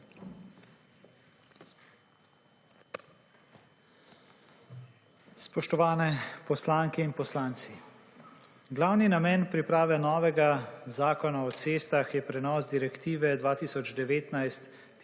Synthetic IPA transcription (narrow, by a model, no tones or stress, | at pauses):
spɔʃt̪ɔʋaːnɛpɔslaːŋkɛinpɔslaːnt̪si | ɡlawninamɛːnpɾipɾaːʋɛnɔːʋɛɡazaːkɔnaɔt̪seːst̪axjɛpɾɛnɔːsd̪iɾɛkt̪iːʋɛd̪ʋaːt̪iːsɔd͡ʒd̪ɛʋeːt̪najst̪ː